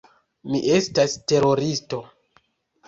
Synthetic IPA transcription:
miʔe̞staste̞ɾo̞ɾisto̞

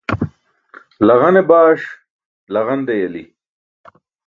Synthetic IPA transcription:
lɐɣɐnebaːʂ | lɐɣɐnd̪ejɐli

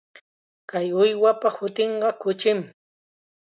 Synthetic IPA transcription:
kajʊjwapahʊt̪eɴɢɑkʊt͡ʃɪm

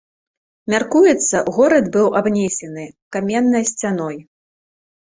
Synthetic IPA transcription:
mʲarkujɛt̪sːɐɣɔɾɐd̪bɨwʔabnʲesʲɛnɨkamʲɛnːɐjsʲt͡sʲanɔj

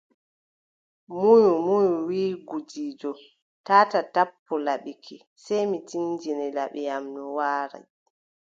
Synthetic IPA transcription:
mujumujuwiːɡud͡ʒiːd͡ʒɔ | taːtatapːɔlaɓikʰi | sajmitind͡ʒinɛlaɓɛjamnɔwaːɾa̰

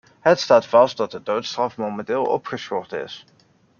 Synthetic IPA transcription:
ɦətstaːtfɑst̚dɑt̚dədowtstrɑfmowmɛntɪːlˠɔ̰pχəsχɔrtɪ̰s

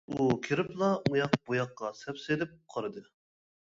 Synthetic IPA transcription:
ukʲʰiɾɪplˠɑujɑqbujɑqːɑsɛpsɪlɪp̚qʰɑɾɨd̪ɨ

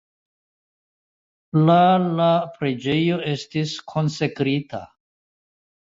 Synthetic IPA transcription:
lalapɾe̞d͡ʒe̞jo̞e̞stiskʰo̞nse̞kɾitʰa̰

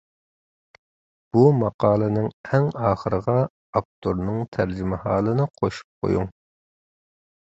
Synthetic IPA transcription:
b̥umɑqɑːlˠɨnɨŋɛŋɑːχəɾəʁɑ | ɑp̚t̪ʰoɾnɨŋt̪ʰæɾd͡ʒimɪhɑːlˠɨnɨqʰoʃu̥p̚qʰo̰juŋ

